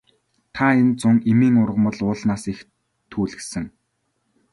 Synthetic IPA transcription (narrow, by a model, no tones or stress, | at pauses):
t̪ʰaent͡sʊŋemiːŋʊrʁ̆mə̆ɮʊːɮnaːsix | t̪ʰuːɮɘ̆sɘ̆ŋ